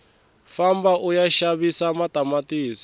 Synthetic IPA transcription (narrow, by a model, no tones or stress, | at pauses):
fambaʔujaʃaβisamatamatiːs